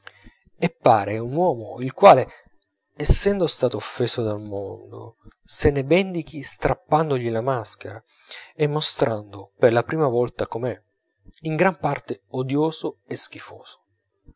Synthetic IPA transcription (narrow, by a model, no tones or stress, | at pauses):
epːaːɾeunwɔːmoilkwaːle | ɛsːɛnd̪ost̪aːt̪oːfːeːsod̪almond̪o̰senebɛnd̪ik̟ist̪ɾapːand̪oʎilamask̟eɾa | emːost̪ɾʔand̪operlapɾiːmavɔlt̪akomɛ | iŋɡɾampart̪eod̪joːzoesk̟ifoːz̥o̥